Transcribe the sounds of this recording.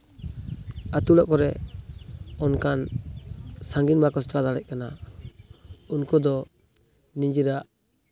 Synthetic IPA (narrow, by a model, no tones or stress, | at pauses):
at̪ulɔʔkɔɾɛ | ɔnkan | saŋɡinbakɔstɾad̪alɛc̚kana | unkɔd̪ɔ | niɲd͡ʒiɾaʔ